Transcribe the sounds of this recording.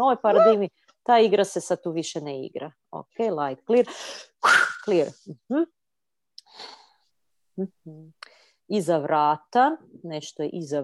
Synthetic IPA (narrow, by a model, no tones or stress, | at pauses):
oojpaɾad̪iʋni | t̪aːiɡɾasesad̪̚t̪uːʋiʃeneḭɡɾa̰ | o̰kʰejlˠajt̪̚kliɾ | kkliɾm̩hm̩ | m̩h̩ | izaʋɾaːt̪ane̞ʃt̪ojḛʔiza